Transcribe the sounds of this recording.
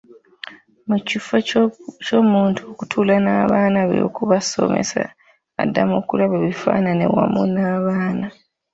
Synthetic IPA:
mucifecomuːntʰuokutʰuːlanaːβaːnaβḛjo̰kuβaso̞me̞̰sa̰ː | dːamoːkulaβaβifaːnane̞wamunaːβaːna

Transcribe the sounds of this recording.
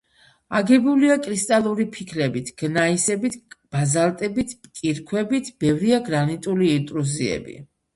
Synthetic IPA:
aɡɛbuliakʼɾist̪ʼalˠuɾipʰikʰɾɛbit̪ʰɡ̥naisɛbit̪ʰb̥azalˠt̪ʼɛbit̪ʰpʼkʼiɾkʰwɛbit̪ʰb̥ɛvɾiaɡɾanit̪ʼuliint̪ʼɾuziɛ̰bḭ

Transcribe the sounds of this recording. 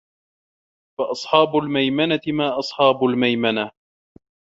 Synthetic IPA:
fɑʔɑsˤħɑːbʊlmajmanat̪ɪmaːʔɑsˤħɑːbʊlmajmana

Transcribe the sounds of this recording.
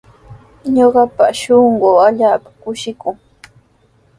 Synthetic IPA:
ɲoɢɑpaʃoɴɢoːaʎaːpḁkʊʃɪkʊŋ

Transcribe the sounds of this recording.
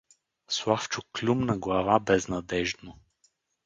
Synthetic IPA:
slˠaft͡ʃʊklʲumnɐɡlˠɐvabɛznɐd̪ɛʒd̪no

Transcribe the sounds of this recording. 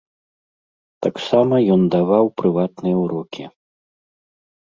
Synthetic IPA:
t̪aksamɐjɔnd̪avawpɾɨvat̪nɨjɐwɾɔkʲʰi

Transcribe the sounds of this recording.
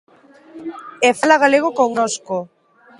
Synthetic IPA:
ɛfalaɣaleɣ̞okoŋnosko

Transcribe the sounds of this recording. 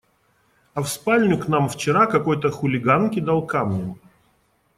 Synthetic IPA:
ɐfspalʲnʲʊknamft͡ɕɪɾakɐko̞jt̪əxʊlʲɪɡankʲɪd̪alˠkamnʲʊm

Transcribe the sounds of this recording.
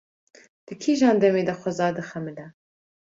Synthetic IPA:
d̪̥ɨkʰiːʒɑːnd̪ɛmeːd̪ɐxʷɐzɑːd̪ɨxɛmɨlɛ

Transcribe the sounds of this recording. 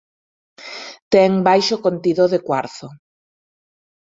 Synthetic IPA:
t̪ɛŋbajʃʊkont̪iðoðekwaɾθo

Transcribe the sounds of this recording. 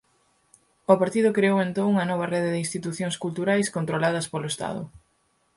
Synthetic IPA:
opaɾt̪iðʊkɾeowent̪õŋuŋɐnɔβ̞ɐreðɪðɪĩnst̪it̪uθjõŋskult̪uɾajskont̪ɾolað̞ɐspolʊest̪a̰ð̞ʊ̰

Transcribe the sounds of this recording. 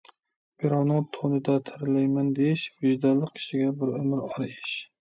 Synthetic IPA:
b̥ɪɾɑwnɪŋt̪ʰonɪd̪at̪ʰɪɾɪlajmand̪eʃbɪʒd̪alˠɨqʲːʰɪ̥ʃɪɡʲabɪɾʊmɪɾɒɾɪʃ

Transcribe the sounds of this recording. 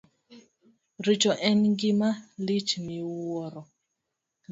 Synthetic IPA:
ɾit͡ʃɔʔɛnɡɪmalit͡ʃnɪwɔɾɔ

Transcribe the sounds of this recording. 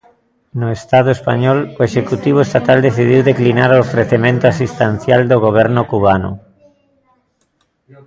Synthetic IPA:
nʊest̪að̞oespa̰ɲɔloeʃekut̪iβ̞oest̪at̪ald̪eθið̞iwðeklinaɾoofɾeθemẽnt̪oasist̪enθjald̪oɣ̞oβ̞ɛɾnʊkuβanʊ̰

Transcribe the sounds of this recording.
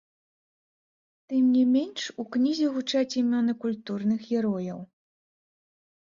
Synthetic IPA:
t̪ɨmnʲimʲenʲʂuknʲizʲiɣut͡ʂat͡sʲimʲɔnɨkulʲt̪urnɨxjʲɛɾɔjɐw

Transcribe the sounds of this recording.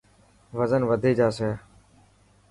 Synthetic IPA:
ʋəzənʋəd̪ʱeːd͡ʒaːsɛː

